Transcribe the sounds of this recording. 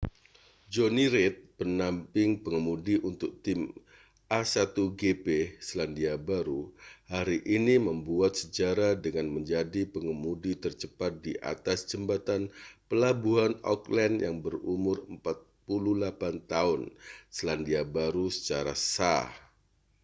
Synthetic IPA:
d͡ʒoniɾɪt̪̚pənampɪŋpəŋəmudiʔunt̪ʊk̚t̪ɪm | ʔasat̪uɡepesəlandiabaɾuhaɾiʔiniməmbuat̪̚səd͡ʒaɾadəŋanməɲd͡ʒadipəŋəmudit̪ərt͡ʃəpat̪̚diʔa̰t̪asd͡ʒəmbat̪anpəlabuɦanɔ̰klɛnjaŋbərumʊrəmpat̪̚pululapant̪aʊnsəlandiabaɾusə̥t͡ʃaɾa̰sa̰h

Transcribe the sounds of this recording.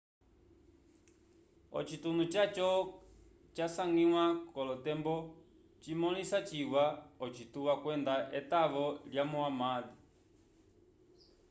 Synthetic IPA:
ɔ̰t͡ʃit̪unut͡ʃat͡ʃɔ | t͡ʃasaŋɡiwakɔlɔt̪ɛmbɔ | t͡ʃimɔlisat͡ʃiwaɔt͡ʃit̪uwakwɛnd̪aʔɛt̪aβɔljamɔamaði

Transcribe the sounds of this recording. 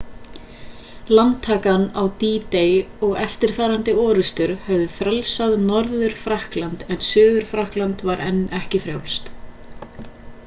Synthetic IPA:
lant̪ʰːaːkanawt̪iːt̪ejɔɣɛft̪ɪɾ̥θaːɾant̪ɪɔːɾʏst̪ʏɾ̥hɛvðʏfɾɛlsaðnɔɾðʏɾ̥fɾahklant̪ɛnsʏːðʏɾ̥fɾahklant̪vaɾʔɛnːɛhcɪfɾja̰wlst̪

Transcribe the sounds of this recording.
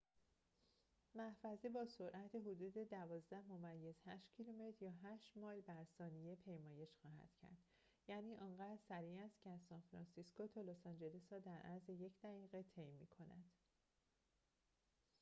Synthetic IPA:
mæhfæzebɒːso̞ɾʔæt̪ʰeɦod̪uːd̪e̞d̪ævɒːzd̪æhmo̞mæjːe̞zhæʃt̪cʰilume̞t̪ʰɾjɒːɦæːʃt̪mɒːlbæɾsɒːnije̞pʰe̞jmɒːje̞ʃxɒːɦæ̰d̪̥cʰæ̰ɾd̪̥ | jæːniːʔɒːnɢæːd̪ɾsæɾiːæst̪cʰeæzsɒːnfɾɒːnsiskot̪ʰɒːlosɒːnd͡ʒe̞lisɾɒːd̪æɾʔæ̰ɾzeje̞cʰd̪æɣiːɣet̪ʰejmiːkʰo̞næ̰d̪̥

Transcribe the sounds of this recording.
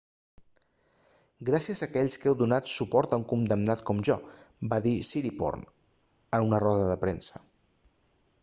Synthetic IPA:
ɡɾasiəzəːkɛʎskɛwðunat̪supɔɾt̪əuŋkund̪əmnat̪kɔmʒɔbaðisiɾipɔ̰rn | ənunərɔðəðəpɾɛnsə

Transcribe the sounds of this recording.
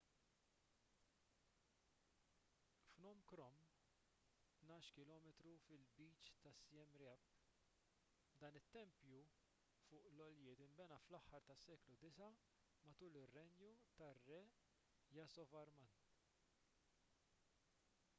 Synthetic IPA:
fnɔːmkɾɔm | t̪nɐːʃkɪlɔːmɛt̪ɾufɪlbiːt͡ʃt̪ɐsiɛmɾɪɐp | d̪ɐːnɪt̪ːɛmpju | fʊːʔlɔljɪːt̪ɪmbɛnɐflɐħːɐɾt̪ɐsːɛːklud̪ɪsɐ | mɐt̪uːlɪrːɛnjut̪ɐrːɛ | jɐsɔvɐɾmɐn

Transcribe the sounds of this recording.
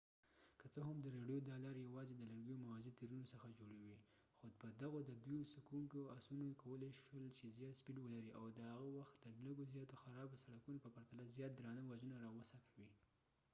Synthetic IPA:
kət͡səɦamd̪əɾeɖjod̪ɑlɑɾjawɑzed̪əlaɾɡijomawɑzit̪iɾunosəxad͡ʒoɽawi | xopəd̪aɣod̪əd̪ujosakuŋkoasunokawəleʃwəlt͡ʃezjɑt̪spilwəlaɾiʔawd̪əhaɣawaxt̪d̪ədlaɡozjɑt̪oxaɾɑbosaɽakunopəpaɾt̪alazjɑt̪̚d̪ɾɑnawad͡ʒənaɾɑwəsakawi

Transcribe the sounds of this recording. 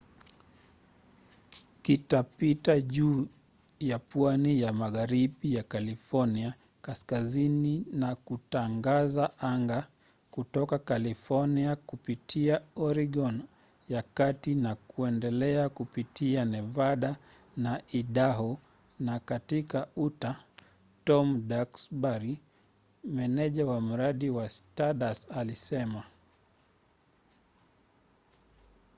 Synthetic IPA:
kitapitaʄuː | japwanijamaɣaɾiɓijakalifɔnia | kaskazininakutaŋɡazaʔaŋɡa | kutɔkakalifɔniakupitʰiaɔɾiɡɔn | jakatinakuɛndɛlɛakupitʰianɛvaɗa | naʔiɗaɦɔ | nakatikauta | tɔmɗaksbaɾi | mɛnɛʄawam̩ɾaɗiwastaɗasalisɛma

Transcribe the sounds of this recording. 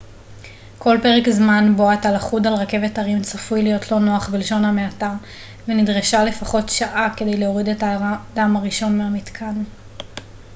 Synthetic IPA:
kʰo̞lpe̞ʁekzmanboatalaχudalʁake̞vetɐʁimt͡safujlijo̞tʰlo̞no̞aχbelʃo̞nhameataʁ | venidʁeʃale̞faχo̞tʃaʔake̞de̞jleo̞ʁidetadamaʁiʃo̞nmeamitkʰan

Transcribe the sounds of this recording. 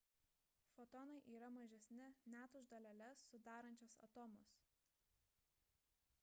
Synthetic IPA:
fɔt̪ɔnɐɪʔiːɾɐmɐʒʲɛsʲnʲɪnʲæːt̪ʊʒd̪ɐlʲɛlʲɛsːʊd̪ɑːɾɐnʲt͡ʃʲoːsɐ̰t̪ɔːmʊs

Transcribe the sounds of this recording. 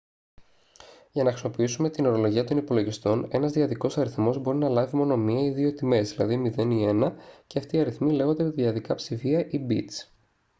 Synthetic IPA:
ʝɐnɐxɾismo̞piisume̞t̪ino̞ɾo̞lo̞ʝiɐt̪o̞nipo̞lo̞ʝist̪o̞ne̞nɐzðiɐðiko̞sɐɾiθmo̞zbo̞ɾinɐlɐvimo̞no̞miɐiðio̞t̪ime̞zðilɐðimiðe̞nie̞nɐceɐft̪iɐɾiθmile̞ɣo̞nd̪epit̪ðiɐðikɐpsifiɐʔibit̪s

